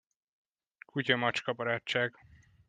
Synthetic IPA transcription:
kʰucɒmɒt͡ʃkɒbɒɾaːt͡ʃːaːɡ

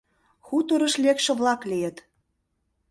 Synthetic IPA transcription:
xut̪oɾə̆ʃlekʃə̆βlɑklijə̆t̪

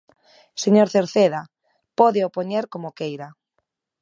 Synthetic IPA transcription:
seɲoɾθeɾθeða | poðeopoɲeɾkomokejɾa

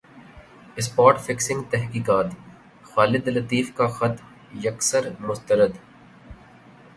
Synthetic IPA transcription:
ɪspaːʈfɪksɪ̃ŋɡt̪ɛɦkiːkaːt̪ | xaːlɪd̪lɐt̪iːfkaxɐt̪m | jɐksəɾmʊst̪əɾəd̪

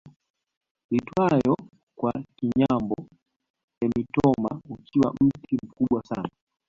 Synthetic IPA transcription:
litwajɔ | kwakiɲambɔ | nɛmitɔma̰ukiwa̰m̩tim̩kuɓwasa̰na

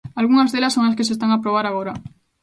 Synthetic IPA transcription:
alɣ̞unazðe̞lasoŋlaske̞sest̪aŋapɾo̞β̞aɾaɣo̞ɾa

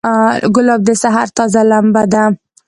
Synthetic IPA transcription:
ɡʊlɑb̚d̪əsaɦaɾt̪ɑzalambad̪a

